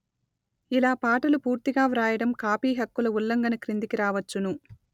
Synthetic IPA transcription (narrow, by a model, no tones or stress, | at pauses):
ilaːpaːʈɐlupuːɾt̪iɡaːʋɾaːjɐɽɐmkaːpiːɦɐkːulɐulːɐŋɡɐnɐkɾind̪ikiɾaːʋɐt͡ʃːunu